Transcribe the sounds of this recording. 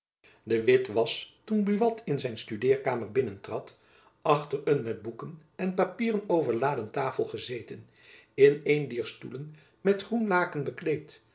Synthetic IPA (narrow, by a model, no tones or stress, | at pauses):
dəʋɪtʋɑstunbyʋɑtʰɪnzɛjnstydɪːɹkaːməɹbɪnəntrɑt | ʔɑχtərənmɛd̚bukən | ɛnpapiːrənowvəɹlaːdəntaːfəlˠχəzeːjtən | ɪnejndiːɹstulən | mɛtχrunlaːkənbəklejt